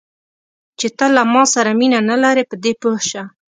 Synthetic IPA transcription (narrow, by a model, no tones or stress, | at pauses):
t͡ʃet̪əlamɑsaɾaminanalaɾepəd̪epohʃa